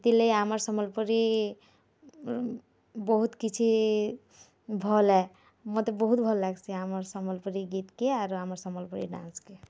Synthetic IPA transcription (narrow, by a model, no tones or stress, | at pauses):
t̪ilejaməɾsɔməlpəɾi | bɔɦut̪kit͡ʃʰi | bʱɔlɛ | mɔt̪ebɔɦut̪̚bʱɔlːaɡsiaməɾsɔməlpəɾiɡit̪keaɾaməɾsɔməlpəɾḭɖã̰nske